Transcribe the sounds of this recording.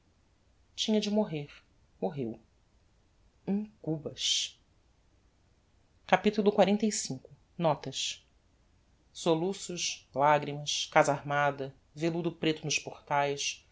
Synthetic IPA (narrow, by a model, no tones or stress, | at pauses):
t͡ʃĩɲɐd͡ʒɪmoɦeɾ | moɦew | ĩŋkubɐʃ | kapit̪ulˠʊkwaɾẽnt̪ejsĩkʊ | nɔt̪ɐʃ | solusʊʃlaɡɾimɐʃkazaɾmad̪ɐ | velud̪ʊpɾet̪ʊnʊʃpoχt̪ajʃ